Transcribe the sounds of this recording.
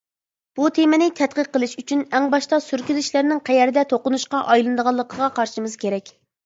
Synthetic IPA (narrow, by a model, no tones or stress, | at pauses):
b̥ut̪ʰemɪnɪt̪ʰɛt̪̚qəqːəlˠɨʃyt͡ʃʰynɛŋbɑʃt̪ɑsyɾkʲyzyʃlæɾnɪŋqʰɛjɛɾɪd̪ɛt̪ʰoqʊnuʃqɑʔɑjlˠɨnd̪əʁɑlˠːəqʰəʁɑqʰɑɾʃimɨz̥kʲʰeɾɛkʲ